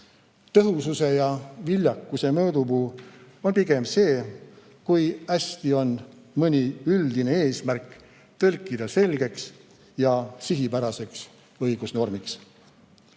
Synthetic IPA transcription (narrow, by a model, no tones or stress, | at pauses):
t̪ɤɦususe̞jɑvilʲjɑkːˑuse̞mɤːd̪ubuː | o̞npiɡ̥e̞mse̞ː | kujæsʲt̪io̞n | mɯnʲiyld̪ine̞eːsmærkː | t̪ɤlkːˑid̪̥ɑse̞lʲɡe̞ks | jɑsiɦipæɾɑse̞ks | ɤjɡ̥usno̞rmiks